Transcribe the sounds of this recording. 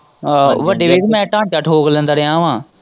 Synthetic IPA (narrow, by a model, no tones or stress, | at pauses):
ʋəɖeːʋeːkmɛ̃ːʈãːɳt͡ʃəʈʰɦoːɡlə̃nd̪əːɾeãːʋãː